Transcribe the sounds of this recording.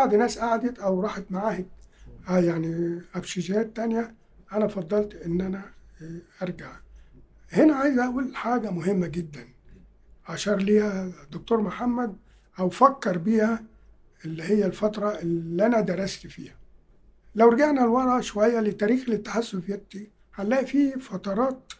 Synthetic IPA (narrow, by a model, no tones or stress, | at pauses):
baʕd̪inæːsʔaʕd̪et̪ʔæwɾˤɑːħet̪maʕaːhɪt̪æjaʕniʔæfʃid͡ʒɪhæːt̪ːænjæ | ʔænæfɑd̪ˤːɑlt̪ʔɪnːʔænæʔɑɾˤɡaʕ | henæʕajzʔæʔuːlħaːɡæmʊɦɪmːæɡɪd̪ːæn | ʕaʃɑɾˤliːhæd̪ok̚t̪oːɾmoħamːæd̪̚ | ʔæwfækːɑɾˤbiːhæ | ʔelːihɪjːælfɑt̪ɾˤɑʔelːʔænæd̪ɑɾˤɑst̪fiːhæ̥ | læwɾɑɡaʕnælwɑdˤʕɑʕʃowæjːælɪt̪ːæːɾiːxlɪt̪ːḁħasːʊfjæt̪ːi | ħalːæːʔfiːfɑt̪ˤɑɾˤɑːt̪̚